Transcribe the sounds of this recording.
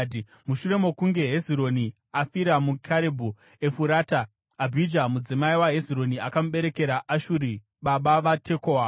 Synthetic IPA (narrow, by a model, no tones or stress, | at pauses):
muʃuɾe̞mo̞kuŋɡe̞ɦeziɾo̞ni | afiɾamukʰaɾebʱu | e̞fuɾaːta | abʱid͡ʒamud͡zimaiwaɦe̞ziɾo̞niakamuɓe̞ɾe̞ke̞ɾaʔaʃuɾi | ɓaɓaʋatʰe̞koa